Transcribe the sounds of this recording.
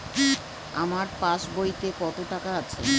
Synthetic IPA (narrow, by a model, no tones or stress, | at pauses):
ki | amaɾpaʃbojt̪ekɔt̪oʈakaat͡ɕʰḛ